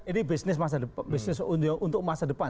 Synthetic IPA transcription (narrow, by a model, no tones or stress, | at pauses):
inibisnɪs̬mas̬adəpbɪsnɪsuʔunt̪ʊk̚masadəpa